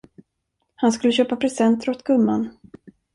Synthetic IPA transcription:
hanskɵlːəɕøːpapʰɾɛsɛnt̪ɾɔt̪ɡɵmːan

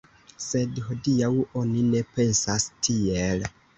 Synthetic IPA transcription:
se̞dɦo̞diawo̞nine̞pe̞nsastʰiel

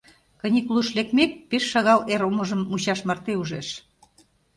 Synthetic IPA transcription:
kə̆nʲiklˠuʃlek̚mek̚peʃːɑɣɑleɾoməʒəmːuɕɑʃmɑrt̪euʒeʃ

